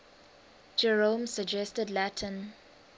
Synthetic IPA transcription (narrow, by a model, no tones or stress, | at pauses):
d͡ʒɛɹõmsəd͡ʒɛstədlætʰə̃n